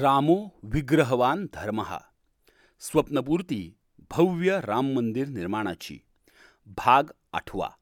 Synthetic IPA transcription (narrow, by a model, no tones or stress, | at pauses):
ɾaːmoːʋiɡɾəɦɐʋaːnd̪ʱɐɾmɐɦə̰ | sʋɐpnɐp̬uːɾt̪iː | bʱɐʋjɐɾaːmːənd̪iɾniɾmaːɽ̃a̰t͡ɕḭː | bʱaːɡ | a̰ʈʰʋa̰